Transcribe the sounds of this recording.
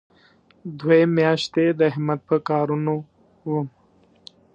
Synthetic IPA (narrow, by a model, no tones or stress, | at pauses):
d̪wemjɑʃt̪ed̪əɦɪmat̪̚pəkɑːɾuno | wum